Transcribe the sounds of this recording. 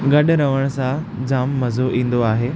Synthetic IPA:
ɡɐɗɾɐʋəɽ̃sã | d͡ʑaːmːɐzʱoʔĩːn̆d̪oaːɦeː

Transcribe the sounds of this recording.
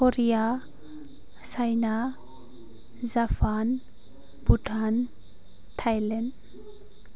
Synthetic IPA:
kɔɾija | sajna | zafʰan | buʈʰan | tʰajlɛn

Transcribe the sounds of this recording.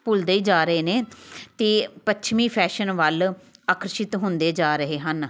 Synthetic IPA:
pʊld̪eːiːd͡ʒaːɾəɦeːneːt̪eːpət͡ʃʰmĩːpʰɛːʃənʋəlaːkɾəʃɪt̪ɦʊnd̪eːd͡ʒaːɾəɦeːɦən

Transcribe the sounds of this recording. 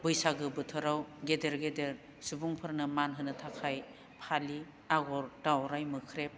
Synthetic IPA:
bɯjsaɡɯbɯtʰɯɾawɡedeɾɡedeɾ | subuŋpʰɯɾnɯmanɦɯnɯtʰakʰaj | pʰali | aɡɔɾd̥awɾajmɯkʰɾep̚

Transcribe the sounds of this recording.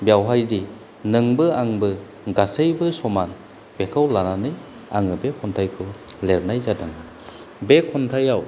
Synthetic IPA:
bjawɦajdi | nɯŋbɯaŋbɯ | ɡasɯjbɯsɔman | b̥ekʰawlananɯj | aŋɯbekʰɔntʰajkʰɯleɾnajzadɯŋɯ | bekʰɔntʰajaw

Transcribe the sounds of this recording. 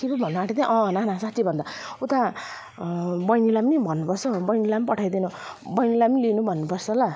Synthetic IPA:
tʰipʌbʱʌnːuaʈʰit̪ãʔʌ̃nanasat̪ʰːibʱʌnd̪aut̪a | bʌjnilamnibʱʌnːupʌrsʰʌbʌjnilampʌʈʰajd̪inubʌjnilabnilinubʱʌnːupʌrsʰʌla

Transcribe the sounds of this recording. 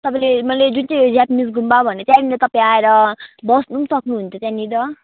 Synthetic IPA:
t̪ʌpãlemʌjled͡zunt͡sajd͡zapmis̬ɡʱumbabʱʌneʌt̪jãninat̪ʌpãj̃aeɾʌbʌsnusʌknuɦunt͡sʰʌt̪jãnid̪ʌ

